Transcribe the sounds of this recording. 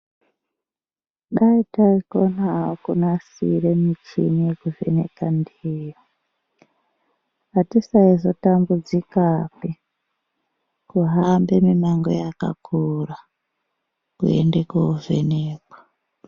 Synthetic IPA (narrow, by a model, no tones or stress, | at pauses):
ɗaitaikonaokunasḭremit͡ʃḭnijekuvḛne̞̰kandʱiːjo | atisaizo̞tambud͡zikapi | kuɦambemimaŋɡo̰jaka̰kʰura | kṵḛndekouvḛneːkwḁ